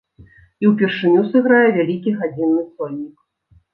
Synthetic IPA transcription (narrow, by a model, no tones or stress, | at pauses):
iwpʲɛrʂɨnʲusɨɣɾajɛvʲalʲikʲiɣad͡zʲinːɨsɔlʲnʲːik